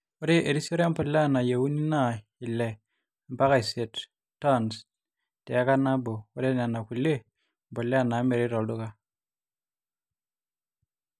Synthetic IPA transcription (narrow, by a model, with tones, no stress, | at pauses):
o˦ɾe˦ʔe˨ɾi˦sɔ˦ɾm˦pɔ˨lɛ˦a˦˨na˨je˨wu˦ni˦na˦˨ | i˨lɛ˨ | mba˦ka˨i˨se˨t | tːa˦ns | tɛ˨a˦ka˦na˦bo˨o˦ɾe˦na˨na˨ku˨le˦ | m˨po˨lɛ˦a˦˨na˨˦me˨ɾi˦ɾɔ˨ldu˦ka˦